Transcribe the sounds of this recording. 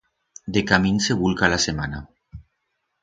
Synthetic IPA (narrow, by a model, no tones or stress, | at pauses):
d̪ekamĩnseβulkalasemana